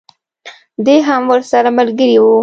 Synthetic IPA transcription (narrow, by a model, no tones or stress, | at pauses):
d̪eɦamwəɾsaɾamalɡəɾiwu